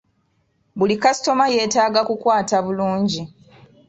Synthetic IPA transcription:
bulikasi̥to̞maje̞ːtaːɡakukwaːtaβuluːɲɟi

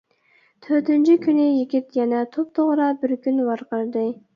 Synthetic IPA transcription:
t̪ʰøɾt̪ɪnt͡ʃʰikʲʰynɪjiɡʲit̪jɛnɛt̪ʰop̚t̪ʰoʁɾɑbɪɾkʲynvɑɾqəɾd̪ɨ

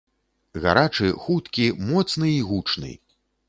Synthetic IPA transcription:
ɣa̰ɾat͡ʂɨxut̪kʲimɔt̪snɨiɣut͡ʂnɨ̰

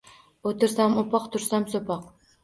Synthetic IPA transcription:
ot̪ɪɾsamopɑqt̪ʰʊɾsamsopʰɑq

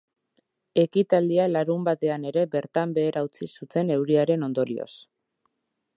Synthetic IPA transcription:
e̞kit̪ald̪ialaɾumbat̪e̞ane̞ɾe̞be̞ɾt̪ambe̞ːɾʔawt͡sisut̪e̞ne̞wɾiaɾe̞no̞nd̪o̞ɾio̞̰s

